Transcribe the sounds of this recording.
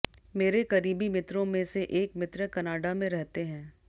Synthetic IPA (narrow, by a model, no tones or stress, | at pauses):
meːɾekɐɾiːbimɪt̪ɾõmẽseʔeːkmɪt̪ɾəkɐnaːɖamẽɾɛɦt̪eɦɛ̃ː